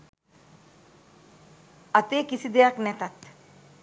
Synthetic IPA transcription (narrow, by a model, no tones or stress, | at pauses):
ɐt̪eːkisid̪ejaknɛt̪at̪